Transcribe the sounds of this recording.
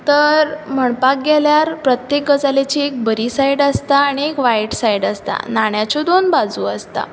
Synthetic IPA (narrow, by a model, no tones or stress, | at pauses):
t̪əɾm̤əɳpak̚ɡɛljaɾpɾət̪jek̚ɡəd͡zalet͡ɕiek̚bəɾisajiɖəst̪aːɽ̃iekʋajʈsajɖəst̪a̰naɳ̃jat͡ɕɔd̪onbad͡zuːəst̪a̰